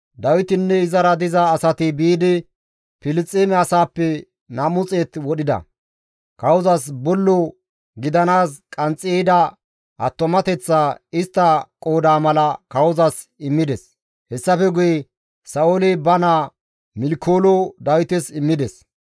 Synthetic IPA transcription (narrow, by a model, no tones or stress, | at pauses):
d̪ɐwɪt̪ɪnːɛɪzɐɾɐd̪ɪzɐːsɐt̪ɪbiːd̪ɪ | pɪlɪt͡sʼːeːmɛɐsaːpːɛ | nɐmʊt͡sʼeːt̪wɔɗɪd̪ɐ̰ | kɐwʊzɐsbɔlːɔ | ɡɪd̪ɐnaːskʼɐnt͡sʼːjed̪ɐ | ʔɐ̰t̪ːɔmɐt̪ɛt͡sːaːɪst̪ːɐkʼoːd̪aːmɐlɐkɐwʊzɐs | ɪmːɪd̪ɛs | hɛsːɐfɛɡʊjɛ | sɐolɛbɐnaː | mɪlkʰːoːlɔd̪ɐwɪt̪ɛsɪmːɪd̪ɛs